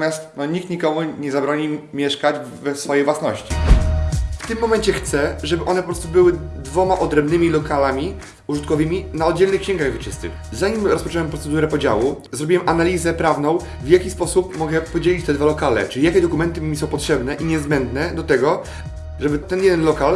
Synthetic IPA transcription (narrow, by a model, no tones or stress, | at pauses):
mʲjast̪̚nɔɲik̚t̪ɲikɔmuɲɛzabɾɔɲimʲjɛʂkad͡ʑ | vɛsfɔjejvwasnɔɕt͡ɕḭ | ft̪ɘmːɔmɛɲt͡ɕɛxt̪sɛʐɛbɘʔɔnɛp̬ɔpɾɔst̪ubɘwɘd̪vɔmaʔɔd̪ɾɛmbnɘmʲilɔkalamʲi | uʐɨt̪̚kɔvɘmʲinaɔd̪̚d͡ʑɛlnɘxkɕɛ̃ŋɡaɣvɘt͡ʂɘst̪ɘ̰ | zaɲimɾɔspɔt͡ʂɛwɛmpɾɔt̪sɛd̪uɾɛpɔd͡ʑa̰wu | zɾɔbʲiwɛmʔanalʲizɛpɾavnɔ̃w̃ | vjakʲispɔsupmɔɡɛpɔd͡ʑelʲit͡ɕt̪ɛd̪valɔkalɛ̰t͡ʂɘijakʲɛd̪ɔkumɛnt̪ɘmʲisɔ̃w̃pɔtʂɛbnɛʔiɲɛzbɛnd̪nɛd̪ɔt̪ɛɡɔ | ʐɛbɘt̪ɛnjɛd̪ɛnlɔkal